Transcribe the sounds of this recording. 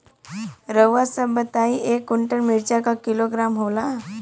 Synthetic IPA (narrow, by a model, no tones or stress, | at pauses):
ɾəwʋasəbət̪aiʔekːuɳʈəɳmiɾt͡ɕakakiloɡɾamɦola